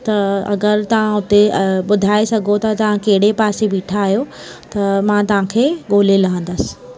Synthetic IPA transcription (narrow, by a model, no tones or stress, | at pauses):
t̪ɐɐ̰ɡəɾt̪ɐʋ̤ãʊt̪eɓʊd̪ʱaːesɐɡʱot̪ɐt̪ɐʋ̤ãkɐɦɪɽepaːsebiːʈʰaːɦijo | t̪ɐmãːt̪ɐʋ̤ãkʰeːɠoːlelɐɦə̃n̆d̪əsɪ̥̆